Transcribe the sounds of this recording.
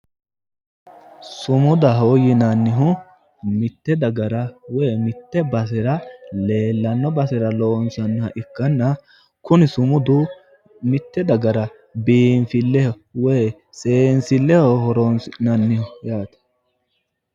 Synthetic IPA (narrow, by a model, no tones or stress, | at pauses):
sʊmʊd̪ɐɦoːjɪnɐnːɪɦʊ | mɪt̪ːɛd̪ɐɡɐɾɐweːmɪt̪ːɛbɐs̬ɪɾɐle̞ːlːɐnːɔbɐsɪɾɐloːnsɐnːhɐʔɪkːɐnːɐ | kʊnɪsʊmʊd̪ʊ | mɪt̪ːɛd̪ɐɡɐɾɐ | biːnfɪlːɛhɔ | weː | sʼeːnsɪlːɛhɔhɔɾɔnsnɐnːɪhɔjaːt̪ɛ̥